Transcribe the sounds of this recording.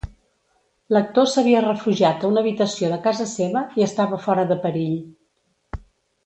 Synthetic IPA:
lək̚t̪osəβiərəfuʒiat̪əunəβit̪əsioðəkazəseβəiəst̪aβəfɔɾəðəpəɾiʎ

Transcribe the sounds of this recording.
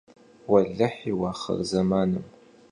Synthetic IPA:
wɐɮɐħiwaːχɐ̰rzɐmaːnɨm

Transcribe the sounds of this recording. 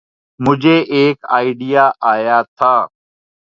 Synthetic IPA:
mʊd͡ʒʱeːʔeːka̰ːɪɖijaːʔaːjaːt̪ʰaː

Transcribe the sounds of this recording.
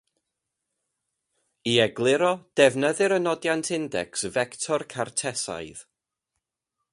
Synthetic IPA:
iɛɡlˠɪɾɔd̥ɛvnəðɨɾənɔdjantʰɪndɛ̰ksvɛktʰɔrkʰartʰɛsa̰jð̥

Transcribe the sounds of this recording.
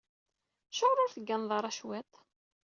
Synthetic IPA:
ʃəʁɾʊɾθəɡːænðˤɑɾˤɑʃwæt̪

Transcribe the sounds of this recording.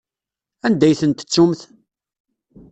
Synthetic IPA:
ænd̪æjθənt̪ə̥t͡sːumθ

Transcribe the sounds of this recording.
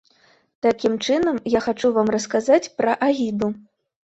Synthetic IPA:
t̪akʲimt͡ʂɨnɐmjaxat͡ʂuvamrɐskazat͡sʲpɾɐʔaɣʲid̪u

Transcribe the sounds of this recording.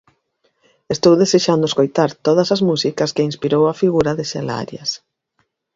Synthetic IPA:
est̪owðeseʃand̪ʊeskojt̪aɾt̪oð̞ɐsɐzmusikɐskɪinspiɾowɐfiɣuɾɐðɪsela̰ɾjɐ̰s

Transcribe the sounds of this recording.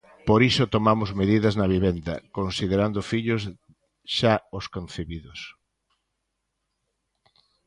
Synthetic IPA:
poɾisot̪omamʊzmeðiðɐznɐβ̞iβend̪ɐ̰konsiðeɾand̪ʊfiʎʊs | ʃaoskon̟θeβiðʊs

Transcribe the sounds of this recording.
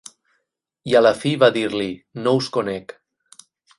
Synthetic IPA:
ialafiβaðiɾlinouskonɛk

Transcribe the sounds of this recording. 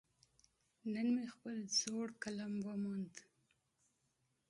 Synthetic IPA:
nənmexpəlzoɽkalamwamand̪

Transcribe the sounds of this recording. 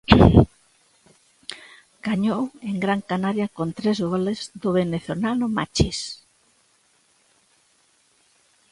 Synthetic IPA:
ɡ̥aɲoweŋɡɾaŋkanaɾjakont̪ɾezɣolezd̪ʊβeneθolanʊma̰t͡ʃis

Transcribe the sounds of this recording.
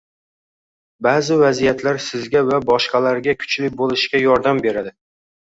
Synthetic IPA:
bazɪvazijat̪ʰlaɾsɪzɡʲavabɒʃqɑlaɾɡʲakʰʊ̥t͡ʃlɪk̚ʲbolˠɪʃkʲajɒɾd̪ambe̞ɾad̪ɪ

